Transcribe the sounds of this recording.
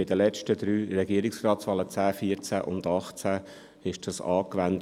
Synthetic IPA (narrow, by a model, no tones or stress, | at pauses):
ɪd̥əlɛt͡ʃtəd̪ɾyːrɛɡiːəɾɪksrɑːtsʋɑːlət͡sæːfiəɾt͡sæʔʊ̰nd̪ɑχt͡sæ | ɪʃd̥ɑsɑːkʋænt